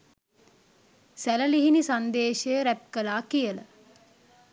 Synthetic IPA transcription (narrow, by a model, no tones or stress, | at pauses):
sæləliɦinisand̪eːʃejəɾæp̚kəlaːkijələ